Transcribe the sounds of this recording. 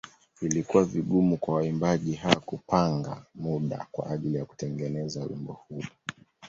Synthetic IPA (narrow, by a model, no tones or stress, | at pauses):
ilikuwaviɠumukwawaimbaʄiɦawakupaŋɡa̰muɗa̰kwa̰ʔaʄilijaku̥tɛŋɡɛnɛzawḭmbɔ̰hulu